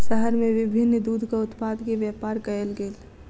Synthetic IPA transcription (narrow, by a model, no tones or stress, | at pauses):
ʃəɦəɾmẽʋɪbʱɪnːd̪uːd̪ʱkaʊt̪paːd̪keʋjaːpaːɾkɐelɡeːl